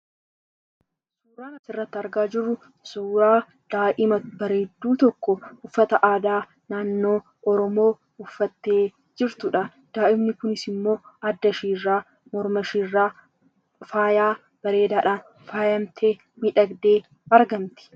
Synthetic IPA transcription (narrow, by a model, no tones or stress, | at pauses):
suːɾaːnɐsɪrːɐt̪ːɪɐɾɡaːd͡ʒɪrːʊ | suːɾaː | d̪̥aːʔɪmɐbɐɾeːd̪ːuːt̪ɔkːɔʊfːɐt̪ɐʔaːd̪aː | naːnːo̞ː | ʔɔɾɔmo̞ː | ʊfːɐt̪ːe̞ː | d͡ʒɪɾt̪ʊᶑɐ | d̪̥aːʔɪbnɪkʊnɪsɪmːo̞ːɐd̪ːɐʃiːrːaː | mɔɾmɐʃirːaː | faːjaː | b̥ɐɾe̞ːd̪aːᶑaːn | faːjɐmt̪ʰeː | miᶑɐɡd̪e̞ː | ɐɾɡɐmt̪ɪ̥